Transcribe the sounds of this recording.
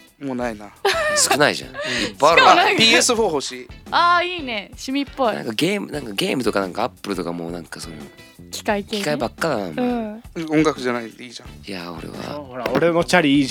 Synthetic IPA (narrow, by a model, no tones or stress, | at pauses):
moːnainasɨ̥kɯ̟naiʑã̰ipːaɾpʲiːesɨɸoːhoɕiaːiːneɕimʲipːoinã̰ŋkaɡeːmɯ̟nãŋkaɡe̞ːmɯ̟t̪o̞kanãŋkaapːɯ̟ɾɯ̟t̪o̞kamoːnãŋkason | kʲʰi̥kait̪kii̥kaibakːad̪anamoɯ̃õŋɡakɯ̟ʑanaiiːd͡ʑãiao̞ɾḛβa̰oɾenot͡ɕaɾʲiiː